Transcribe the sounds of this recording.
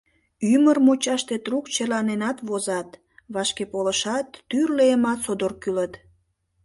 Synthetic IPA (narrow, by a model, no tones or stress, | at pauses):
ymərmot͡ɕɑʃt̪et̪rukt͡ɕelɑnenɑt̪βozɑt̪ | βɑʃkepoləʃɑt̪ːyrleəmɑt̪sod̪orkylət̪